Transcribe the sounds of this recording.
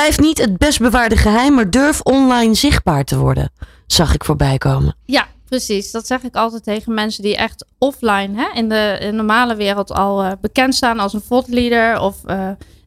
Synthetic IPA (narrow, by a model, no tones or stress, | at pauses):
lɛjftnitɦət̚bɛs̚bəʋaːɹdəχəɦɛjmːaːɹdøɹfɔnlɑjnzɪχd̚baːɹtəʋɔ̰ɹdə̰n | z̥ɑχɪkfʊːɹbɛjkowmə̰japrəsisd̥ɑtsɛχɪkɑlˠtɛjtejχənmɛnsədiʔɛχtɔflajnɦɛɪndənɔɹmaːləʋɪːrəlˠtʰɑlˠbəkɛntstaːnɑlˠsənfɔtlidəɹɔfə